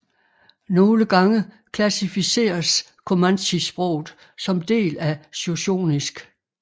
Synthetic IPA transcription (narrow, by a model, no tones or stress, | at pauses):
no̝ːləɡ̥ɑ̈ŋə | kʰlæsifise̝̰ːɐs | kʰo̝mænɕisb̥ʁɔʊ̰ð̩ˠ | sɒ̽md̥e̝̰ːlæsoɕo̝̰ːnisɡ̥